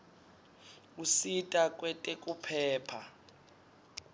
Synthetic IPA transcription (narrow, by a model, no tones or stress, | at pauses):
usitʼakʼwɛtʼɛkʼupʰɛːpʰa